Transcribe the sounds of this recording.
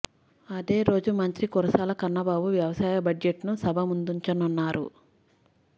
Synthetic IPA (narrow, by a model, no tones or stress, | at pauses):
ɐd̪e̞ːɾo̞ːd͡ʒumɐnt̪ɾikuɾɐsaːlɐkɐɾnːɐbaːbuʋjɐʋɐsaːjɐbɐd͡ʒeʈnusɐbʱɐmund̪uɲt͡ʃɐnunːaːɾṵ